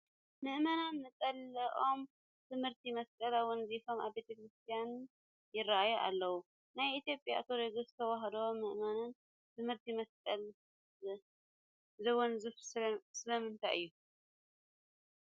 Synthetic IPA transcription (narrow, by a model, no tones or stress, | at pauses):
mɨʔmananmɨt͡sʼɐlɐʔʼo̞m | t̪ʰɨmhɨɾt̪ʰimɐskʼɐlawɔnzifo̞maβbe̞t̪ʰɐkʰɾɨst̪ʰijan | jɪraʔajuʔa̰lːɐwu | najʔit̪jo̞pʼja̰t̪ʰoɾeɡɨszt̪ʰɐwaɦɐd̪ɐwomːɨʔmanan | t̪ʰɨmhɨɾt̪ʰimɐskʼɐl | zɐwɔnzɨfsɨlɐmɨnt̪ʰa̰jɨ̰jːu